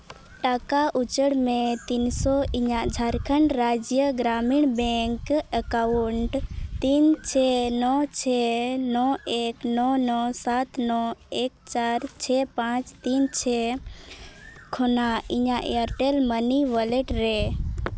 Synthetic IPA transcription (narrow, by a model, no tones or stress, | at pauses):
ʈakaʔut͡ʃəɽmẽt̪insɔiɲãd͡ʒʱaɾkʰənɾad͡ʒjəɡɾamiɳbɛ̃ŋkəkauɳʈt̪int͡ʃʰɛnɔt͡ʃʰɛnɔeknɔnɔsat̪nɔekt͡ʃaːɾt͡ʃʰɛpãt͡ʃt̪int͡ʃʰɛ | kʰonaiɲãʔeəɾʈelməniʋəleʈɾe